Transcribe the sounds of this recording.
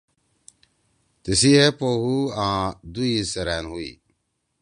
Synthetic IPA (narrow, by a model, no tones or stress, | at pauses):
t̪isiepoːhuãːd̪uisɐɾaːnɦuḭː